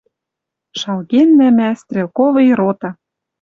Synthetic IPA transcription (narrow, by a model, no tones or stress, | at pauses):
ʃɑlɣenːæmæst̪rʲelkovɤ̆jɾot̪ɑ̆